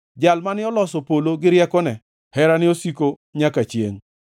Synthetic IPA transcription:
d͡ʒalmanɪɔlɔsɔpoloɡɪɾjɛkɔnɛ | hɛɾanɪosiko | ɲakat͡ʃjḛŋ

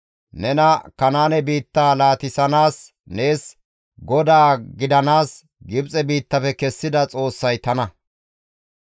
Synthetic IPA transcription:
nɛnɐkɐnaːnɛbiːt̪ːaːlaːt̪ɪsɐnaːs | ne̞ːs | ɡɔd̪aːɡɪd̪ɐnaːs | ɡɪbt͡sʼɛbiːt̪ːɐfɛkɛsːɪd̪ɐt͡sʼo̞ːsːɐjt̪ɐnɐ

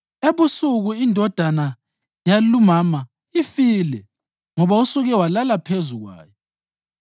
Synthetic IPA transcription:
eβusuɣuindʱɔd̥ʱana | jalumama | ifilɛ | ŋɔβausuɣɛwalalapʰezuɣwa̰ːjɔ

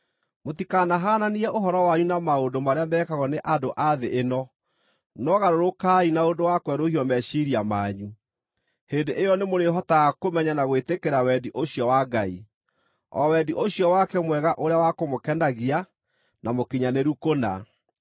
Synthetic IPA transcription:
motikanaɦaːnaniɾɛʔoɦɔɾɔwaɲunamaondomaɾeamɛːkaɣɔneʔadoʔaðeʔenɔ | nɔɣaɾoɾokainaondowakwɛɾohiɔmɛʃiɾiamaːɲu | heːndeʔejɔnemoɾeɦɔtaɣakomɛɲanaɣwetekeɾawɛdiʔoɕjɔwaɡaḭ | ɔ̰wɛdiʔoɕiɔwakɛmwɛɣaʔoɾeawakomokɛndaɣia | namokiɲaneɾukona̰

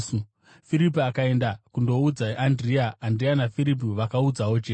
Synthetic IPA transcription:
fiɾip̬iakae̞ndakundo̞ud͡zaandriaːndrianafiɾip̬iʋakaud͡zawot͡ʃeː

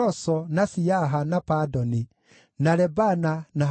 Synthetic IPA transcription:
ɔsɔnasiaɦanapadɔni | naɾɛbanana

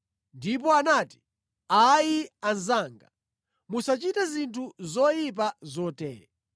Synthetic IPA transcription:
ndip̬ɔanaːti̥ | ajianzaːŋɡa | musat͡ʃitɛzintʰuzɔjip̬azɔtɛːɾɛ

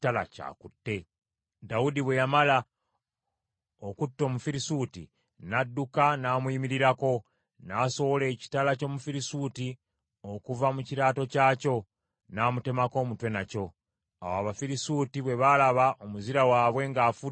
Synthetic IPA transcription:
talaca̰ːkutːe̞ | daudiβwe̞jamala | okutːo̞ːmufiɾisuːtḭ | nadːukanaːmwiːmiɾiɾako̞ | naso̞βole̞ːci̥talaco̞ːmufiɾisuːti | o̞kuvamuciɾaːto̞caːco̞ | naːmute̞mako̞ːmutwe̞naco̞ | a̰waβafiɾisuːtiβwe̞βalaβaʔomuziɾawaːβwe̞ŋɡaːfu

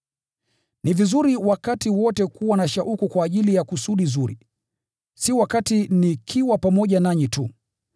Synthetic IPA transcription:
nivizuɾiwakatiwɔtɛkuwanaʃaʔukukwaːʄilijakusuɗizuɾḭ | siwakatinikʰiwapamɔʄanaɲitu

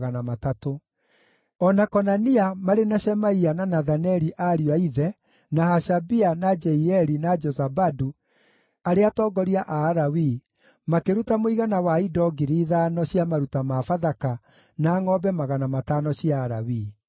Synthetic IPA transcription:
ɣanamatato | ɔnakɔnaniamaɾenaɕɛmaiananaðanɛɾiʔaɾiwaiðɛ | nahaʃabianad͡ʒɛiɛɾinad͡ʒɔzabadu | aɾeatɔːɡɔɾiaʔaːɾawi | makeɾutamoiɣanawaidɔɡiɾiːðanɔɕjamaɾutamafaðaka | naːŋɔbɛmaɣanamatanɔɕiaːɾa̰wi

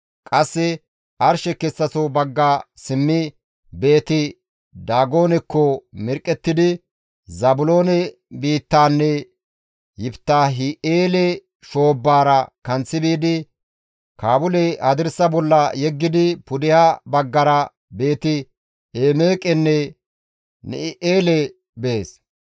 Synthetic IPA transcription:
kʼɐsːɪ | ʔɐɾʃɛkɛsːɐsobɐɡːasɪmːɪ | be̞ːt̪ɪ | d̪aːɡo̞ːnɛkːɔmɪɾkʼːɛt̪ːɪd̪ɪ | zɐbʊlo̞ːnɛ | biːt̪ːaːnːɛ | jɪbt̪ːaːɦɪʔeːlɛ | ʃo̞ːbːaːɾɐkɐnt͡sːɪbiːd̪ɪ | kaːbʊlɛhɐd̪ɪɾsɐbɔlːɐjɛɡːɪd̪ɪpʊd̪ɪhabɐɡːɐɾɐ | be̞ːt̪ɪ | eːmeːkʼɛnːɛ | nɪ̰ɪʔeːlɛ | bɛeːs

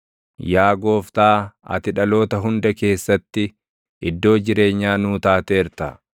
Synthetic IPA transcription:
jaːɡo̞ːft̪aːɐ̰t̪ɪᶑɐlo̞ːt̪ɐɦʊnd̪ɐke̞ːsːɐt̪ːɪ | ɪd̪ːo̞ːd͡ʒɪɾe̞ːɲːaːnuːt̪aːt̪eːɾt̪ɐ̰

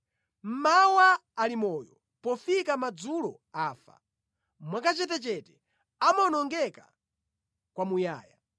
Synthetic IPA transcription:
m̩mawaːlimɔːjɔ | pɔfikamad͡zulɔ | aːfa̰ | mwakat͡ʃɛtɛt͡ʃɛtɛ | amɔnɔŋɡɛkḁ̰ | kwamuja̰ːja

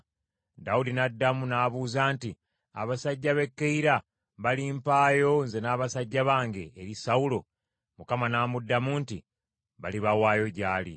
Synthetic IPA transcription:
daudinadːamunaːβuːzaːnti | a̰βasaɟːaβe̞kːeiɾa | βalimpaːjo̞nze̞naːβasaɟːaβaːŋɡe̞ːɾisaulo | mukamanaːmudːamunti | βaliβawaːjo̞ɟaːlḭ

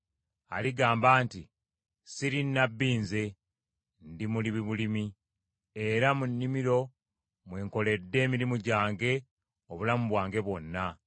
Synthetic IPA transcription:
a̰liɡaːmbaːnti | siɾinːabːiːnze̞ | ndimuliβiβulimi | eɾamunːimiɾo̞ | mweːŋko̞le̞dːe̞ːmiɾimuɟaːŋɡe̞ | oβulamuβwaːŋɡe̞βwo̞nːa

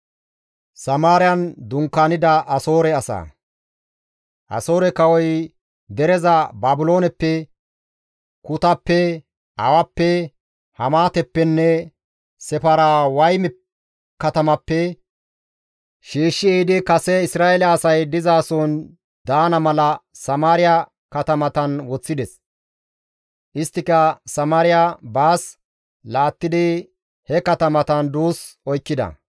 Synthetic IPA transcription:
sɐmaːɾɪjɐnd̪ʊŋkːaːnɪd̪ɐʔɐso̞ːɾɛɐsɐ̰ | ʔɐ̰so̞ːɾɛkɐwɔj | d̪ɛɾɛzɐbaːbɪlo̞ːnɛpːɛ | kʊt̪ɐpːɛ | ʔɐ̰wɐpːɛ | hɐmaːt̪ɛpːɛnːɛ | sɛpɐɾaːwɐjmɛ | kːɐt̪ɐmɐpːɛ | ʃiːʃːɪɛːd̪ɪkɐsɛɪsɾaːɛlɐːsɐjd̪ɪzaːsɔːn | d̪aːnɐmɐlɐsɐmaːɾɪjɐ | kɐt̪ɐmɐt̪ɐnwɔt͡sːɪd̪ɛs | ʔɪst̪ːɪkɐsɐmaːɾɪjabaːs | laːt̪ːɪd̪ɪ | hɛkɐt̪ɐmɐt̪ɐnd̪uːsɔjkːɪd̪ɐ̰

